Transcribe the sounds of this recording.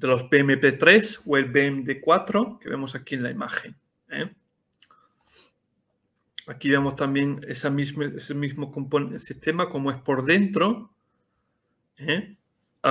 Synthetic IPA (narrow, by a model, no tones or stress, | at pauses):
d̪elo̞zbemepe̞t̪ɾe̞swe̞lbemed̪ekwat̪ɾo̞ke̞βe̞̰mo̞sakienlaima̰xe̞ŋ | ḛ | akiβe̞mo̞st̪ambje̞ŋesamizmeesemizmo̞ko̞mponsist̪e̞mako̞moe̞spo̞ɾðe̞nt̪ɾo̞ | e